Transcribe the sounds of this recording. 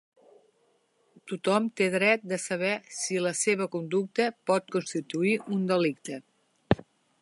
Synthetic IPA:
t̪ut̪ɔmt̪eðɾɛt̪̚d̪əsəβ̞ɛsiləseβ̞əkund̪uk̚t̪əpɔt̪̚kunst̪it̪uiʔund̪əlik̚t̪ə

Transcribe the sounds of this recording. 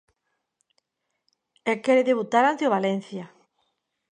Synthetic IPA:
ekɛɾeðeβ̞ut̪aɾant̪eoβalen̟θja

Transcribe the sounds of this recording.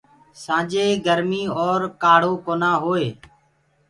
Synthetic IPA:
sãːd͡ʒeːɡəɾmiːɔːɾkaːɽ̤oːkoːnãːɦoːeː

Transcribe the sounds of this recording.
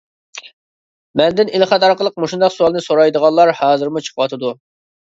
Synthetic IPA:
mɛnd̪ɪnilˠχɑt̪ɑɾqəlˠəq̚moʃund̪ɑqsuɑlˠnɨsoɾɑjd̪əʁɑllˠɑɾhɑːzɨɾmut͡ʃʰə̥qʰəwɑt̪ʰɨd̪u

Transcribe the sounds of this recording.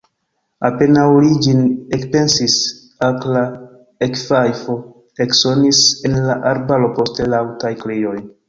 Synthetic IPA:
ape̞nawlid͡ʒinekpe̞nsis | akla | ekfajfo | ekso̞nise̞nlaʔaɾbalo̞po̞stelawtajklejo̞j

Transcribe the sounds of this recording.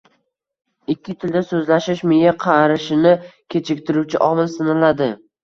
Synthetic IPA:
ɪkʲːɪt̪ʰɪld̪asɵzlaʃɪʃmɪjaqʰɑɾɪʃɪnɪkʲʰe̞t͡ʃʰɪk̚ʲt̪ʰɪɾuwt͡ʃʰɪʔɒmɪlsɪnɪlad̪ɪ

